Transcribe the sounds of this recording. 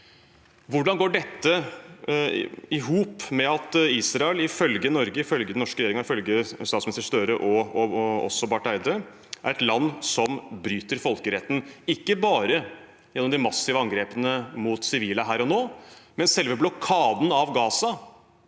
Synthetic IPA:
ʋʊɖɑnɡoːɖɛt̪ːə | ɪɦuːpmɛɑt̪iːsɾɑɛlɪfœlɡənɔɾɡəɪfœlɡəd̪nɔʂkəɾɛjeːɾɪŋɑɪfœlɡəst̪ɑːt̪smɪɪst̪əʂt̪œɾəʔɔɔɔ̰sːɔbɑʈæɪd̪ɾə | ʔæ̰ɾɛt̪lɑnːsɔmbɾyːt̪əɾfɔlkəɾɛt̪ːn̩ɪkːəbɑːɾə | jɛnːɔmd̪ɪmɑsɪʋəɑŋɡɾeːpənəmuːt̪sɪʋiːlɑɦæːɾɔnoːmɛnsɛlʋəblɔkʰɑːd̪n̩ɑʋɡɑːsɑ

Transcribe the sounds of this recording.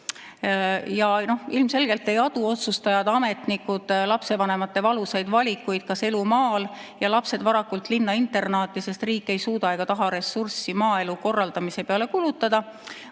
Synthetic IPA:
jɑno̞hilmse̞lɡ̥e̞lt̪ːe̞jɑd̪̥uo̞t̪sust̪ɑjɑd̪̥ɑme̞t̪nikːˑud̪̥lɑpse̞vɑne̞mɑt̪ːe̞vɑlusejd̪vɑlʲikːˑujd̪̥̚kɑse̞lumɑːljɑlɑpse̞d̪vɑɾɑkːult̪ˑlinːɑint̪ːe̞rnɑːt̪ːˑise̞st̪riːkːˑe̞jsuːd̪ɑjɡ̥ɑt̪ɑɦɑɾe̞sːursimɑːe̞luko̞rːɑld̪̥ɑmise̞peɑle̞kulut̪ːˑɑd̪̥ɑ

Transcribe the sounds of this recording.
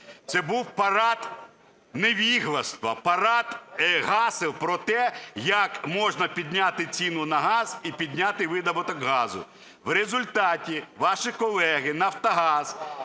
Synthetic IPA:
t̪sɛbuwpɐɾɑt̪ | neʋʲiɦlˠɐst̪ʋɐpɐɾɑt̪ɦɑsɪwpɾɔt̪ɛjɐkmɔʒnɐpʲid̪ʲnʲat̪ɪt͡sʲinʊnɐɦɑzipʲid̪ʲnʲat̪ɪʋɪd̪ɐbɔt̪ɔɡɦɑzʊ̰ | ʋrezʊlʲt̪ɑtʲiʋɑʃɪkɔlˠɛɦɪnɐwt̪ɐɦɑz̥

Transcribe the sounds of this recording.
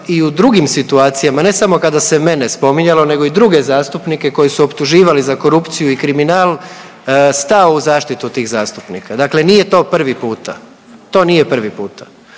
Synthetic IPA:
iud̪ɾuɡimsit̪uaːt̪sijamane̞samo̞kad̪aseme̞nespo̞miɲalo̞ne̞ɡoid̪ɾuɡe̞zaːst̪upnike̞ko̞jisuopt̪uʒiːʋalizako̞ɾupt̪sijuikɾiminaːlˠ | st̪aouzaːʃt̪it̪ut̪iːɣzaːst̪upnḭkad̪akle̞nije̞t̪o̞ːpr̩ʋipuːt̪a | t̪o̞ːnije̞pr̩ʋipuːt̪ḁ

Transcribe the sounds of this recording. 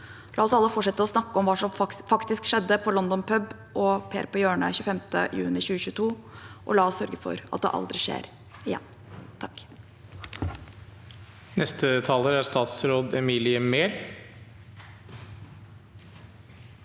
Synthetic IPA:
lɑːɔsɑlːəfɔʈʂɛt̪ːəɔsnɑkːəɔmʋɑːʂɔmfɑkt̪ɪskʂɛd̪ːəpʰɔlɔnd̪ɔnpʰœb | ʔɔpʰeːɾpɔjøːɳə̰çʉːfɛmt̪ə̰jʉ̰ːnɪçʉːɕʉːt̪ʰuːʔɔ̰lɑːɔssœɾɡəfɔ̰ɾɑt̪̚d̪ɛ̰ʔɑ̰ld̪ɾɪʂḛːɾ | ɪjɛ̰nː | t̪ʰɑkː | nɛst̪ʰət̪ʰɑːləɾæɾʂt̪ɑːt̪sɾoːd̪ɛmiːlɪəmeːɾ

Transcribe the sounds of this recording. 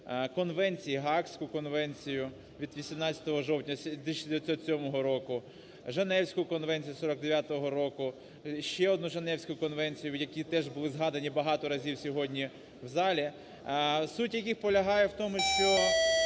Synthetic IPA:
kɔnʋɛnʲt͡sʲijiɦɑksʲkʊkɔnʋɛnʲt͡sʲijʊ | ʋʲid̪ʋʲisʲimnɑt͡sʲɐ̥t̪ɔɦɔʒɔwtʲnʲɐsʲt̪ɪʃid̪eʋʲjɐt̪ʲsʲɔt̪sʲɔmɔɦɔɾɔkʊ | ʒenɛwsʲkʊkɔnʋɛnʲt͡sʲijusɔɾɔɡ̚d̪eʋʲjat̪ɔɦɔɾɔkʊ | ʃt͡ʃɛɔd̪nuʒenɛwsʲkʊkɔnʋɛnʲt͡sʲijʊjɐkʲit̪ɛʒbʊlˠɪzɦɑd̪ɐnʲibɐɦɑt̪ɔɾɐzʲiwsʲɔɦɔdʲnʲi | wzɑlʲi | sutʲjɐkʲixpɔlʲɐɦɑjɛwt̪ɔmʊʃt͡ʃɔ

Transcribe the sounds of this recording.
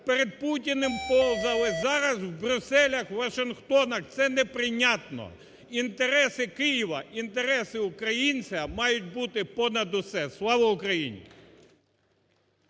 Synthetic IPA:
peɾed̪̚putʲinɪmpɔlˠzɐlˠɪzɑɾɐzwbɾʲʊsɛlʲɐxʋɐʃɪnxt̪ɔnɐxt̪sɛnɛpɾɪnʲɑt̪nɔ̰ | int̪eɾɛsɪkɪjiʋɐint̪eɾɛsɪʊkɾɐjinʲt͡sʲɐmɑjʊt̚ʲbut̪ɪpɔnɐd̪ʊsɛslˠɑʋɔʊkɾɐjḭnʲḭ

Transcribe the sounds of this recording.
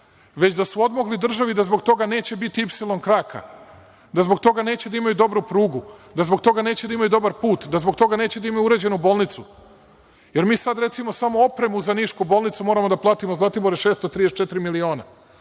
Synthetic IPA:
ʋe̞t͡ɕd̪asuo̞d̪moɡlid̪r̩ʒaʋid̪azbo̞ɡt̪o̞ɡane̞ːt͡ɕe̞bit̪iipsilˠo̞nkɾaːkʰa̰ | d̪azbo̞ɡt̪o̞ɡane̞ːt͡ɕe̞d̪aimajud̪o̞bɾupɾuːɡud̪azbo̞ɡt̪o̞ɡane̞ːt͡ɕed̪aimajud̪o̞baɾpuːt̪d̪azboɡ̚t̪o̞ɡane̞ːt͡ɕed̪aimajuuɾe̞d͡ʑenubo̞ːlnit̪su | je̞ɾmiːsad̪ɾe̞t̪simo̞samo̞opɾemuuzaniːʃkubo̞ːlˠnit̪sumo̞ːɾamo̞d̪aplˠaːt̪imozlˠat̪iboɾeʃe̞ːst̪ot̪ɾijest͡ʃet̪iɾimilio̞ːna

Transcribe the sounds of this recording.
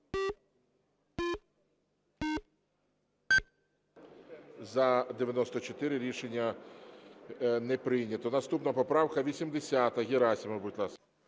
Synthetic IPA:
zɐd̪eʋʲjɐnɔst̪ɔt͡ʃɔt̪ɪɾɪɾʲiʃenʲːɐ | nɛpɾɪjnʲɐt̪ɔnɐst̪upnɐpɔpɾɑwkɐʋʲisʲimd̪esʲat̪ɐɣʲiɾɑsʲimɪbutʲlˠɑs

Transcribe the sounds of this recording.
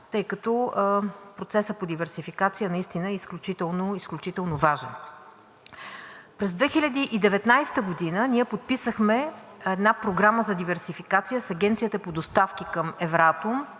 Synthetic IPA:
t̪ɤjkɐt̪o | pɾot̪sɛsəpod̪ivɛɾsifikat̪sijənɐist̪inəɛisklʲut͡ʃit̪ɛlˠnoisklʲut͡ʃit̪ɛlˠnovaʒɛ̰n | pɾɛzd̪vɛxilʲɐd̪iʔid̪ɛvɛt̪najst̪əɡod̪inəniɛpot̪̚pisəxmɛɛd̪napɾoɡɾaməzɐd̪ivɛɾsifikat̪sijəsɐɡʲɛnt̪sijət̪əpod̪ost̪afkikəmɛvɾat̪om

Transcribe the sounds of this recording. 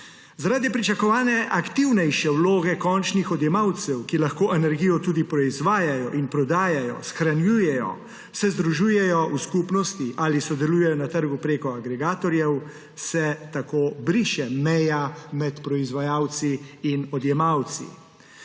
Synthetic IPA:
zaɾaːd̪ipɾit͡ʃakɔʋaːnɛʔakt̪iwnɛjʃɛwloːɡɛkɔnt͡ʃnixɔd̪jɛmawt̪sɛwkilaxkoːʔɛnɛɾɡiːjɔt̪uːd̪ipɾɔizʋaːjajɔʔinpɾɔd̪aːjajɔ̰sxɾanjuːjɛjɔ̰ | sɛzd̪ɾuʒuːjɛjɔuskupnɔst̪iʔaːlisɔd̪ɛluːjɛjɔnat̪əɾɡupɾeːkɔaɡɾɛɡaːt̪ɔɾjɛw | sɛt̪akoːbɾiʃɛmɛjamɛt̪pɾɔizʋajawt̪siːnɔd̪jɛmawt̪sḭ

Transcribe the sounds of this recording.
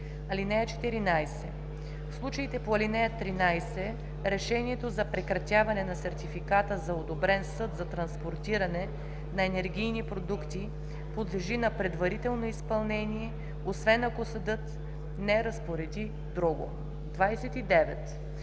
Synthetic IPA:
ɐlinɛjət͡ʃɛ̥t̪iɾinajsɛ | fslˠut͡ʃəit̪ɛpoɐlinɛjɐt̪ɾinajsɛ | ɾɛʃɛniɛt̪ozɐpɾɛkɾɐt̪ʲjavɐnɛnɐsɛɾt̪ifikat̪əzɐod̪obɾɛnsɤt̪zɐt̪ɾɐnspoɾt̪iɾɐnɛ | nɐɛnɛɾɡʲijnipɾod̪ukt̪i | pod̪lɛʒinɐpɾɛd̪vɐɾit̪ɛlˠnoispɐlˠnɛniɛ | osvɛnɐkosɐd̪ɤt̪ | nɛɾɐspoɾɛd̪i | d̪ɾuɡo̰ | d̪vajsɛt̪id̪ɛvɛ̰t̪

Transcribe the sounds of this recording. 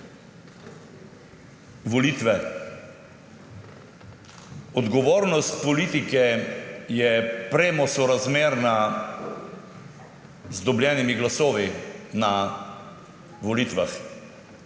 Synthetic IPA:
ʋɔlit̪ʋɛ | ɔd̪ɡɔʋoːɾnɔst̪pɔliːt̪ikɛjɛpɾeːmɔsɔɾazmeːɾna | zd̪ɔbljɛnimiɡlasoːʋina | ʋɔlit̪ʋax

